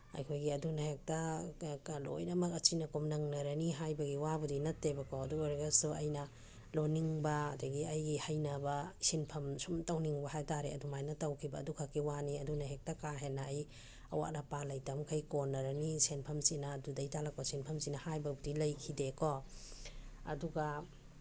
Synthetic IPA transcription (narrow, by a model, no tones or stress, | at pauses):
ɐ̰jkʰojɡiɐdunahek̚taklo̰jnɐmɐkɐt͡ʃinɐkomnɐŋnɐɾɐniɦajbɐɡiwabudinɐtːebɐkɔɐduɾeɡasuɐ̰jnɐ | loniŋbɐːdɐɡiɐjɡihajnabasinpʰɐmsumtawniŋbɐhajtaɾeɐ̰dumajnɐtawkʰibɐːdukʰakːiwaniɐdunɐɦek̚takaɦenːaːj | ɐ̰wa̰ʔnɐpalɐjtɐmkʰajkonːɐɾɐnisenpʰɐmsinaːdudɐjtalakosinpʰɐmsinɐhajbɐbudilɐjkʰidekɔ | ɐ̰duɡa